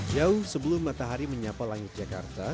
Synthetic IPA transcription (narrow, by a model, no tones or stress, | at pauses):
d͡ʒauhsəbəlʊmːat̪aɦaɾiməɲapalaŋɪt̪̚d͡ʒaka̰rt̪a